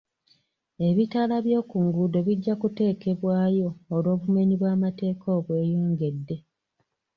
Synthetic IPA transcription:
e̞βitalaβjo̞ːkuŋɡudo̞βiɟːakute̞ːke̞βwaːjo̞ːlo̞ːβume̞ɲiβwaːmate̞ːkʰo̞ːβwe̞ːjoːŋɡe̞dːe̞

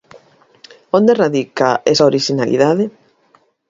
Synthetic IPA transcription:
ond̪eraðikaesaoɾiʃinalḭðaðe

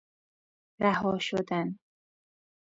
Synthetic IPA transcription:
ɾahɒːʃod̪an

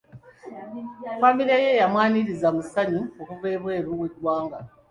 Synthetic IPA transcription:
familiaje̞jamwaːniɾizamusaɲuokuve̞ːβwe̞ːɾuwedwaːŋɡa

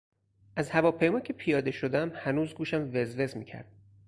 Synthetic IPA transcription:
ʔæzhævɒːpʰe̞jmɒːcʰe̞pʰijɒːd̪e̞ʃod̪ææmhænuːzɡuːʃæmve̞zve̞zmiːcʰæ̰ɾd̪̥

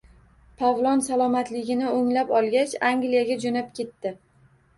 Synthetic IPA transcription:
pʰavlˠɒnsalˠɒmat̪lɪɡʲɪnɪoŋlapɒlˠɡʲat͡ʃaŋɡlijaɡʲad͡ʒonap̚kʲʰe̞t̪ːɪ

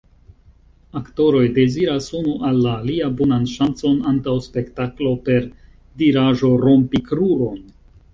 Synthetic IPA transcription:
akto̞ɾo̞jde̞ziɾasunuʔalːaːliabonanʃant͡so̞nantawspe̞ktaklo̞pe̞ɾ | diɾaʒo̞ɾo̞mpikɾuɾo̞n

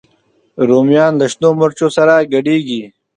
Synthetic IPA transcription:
ɾoːmjaːnlɐʂnoːmɐɾt͡ʃoːsɐɾaɡɐɖiːɡi

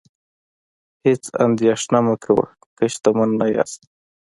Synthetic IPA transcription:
het͡sa̰nd̪ijɑʃnaməkʰawə̰ | kəʃt̪amənːaja̰st̪

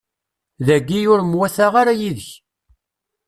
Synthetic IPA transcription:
ðæɡːijʊɾmwæθaʁaɾajiðəç

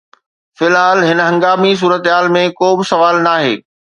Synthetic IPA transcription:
fɪlɦaːlɦɪnəɦɐ̃ŋɡaːmis̬uːɾət̪ɦaːlmẽkoːbɪsɐʋaːlnaːɦeː

